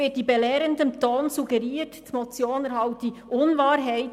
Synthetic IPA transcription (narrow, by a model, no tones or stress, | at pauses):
ɪt̚d̥ibɛlɛːɾəndənt̪ʰoːnsuɡɛɾiːttmot͡sjoːnɛɾhɑlt̚d̥iʔʊnvaːɾɦaɪ